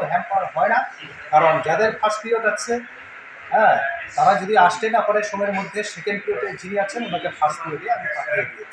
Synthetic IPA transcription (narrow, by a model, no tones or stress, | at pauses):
ɾɦɛmpaɾɦɔena | kaɾond͡ʑad̪eɾfʰaʃd̪ijotaːt͡ɕʰe | ɦɛ̃ːt̪aɾad͡ʑod̪iaʃt̪enapaɽeʃomɔeɾmod̪ʱːeʃekenpioʈed͡ʑiniat͡ɕʰenonakefaʃd̪iod̪eamepaɾeke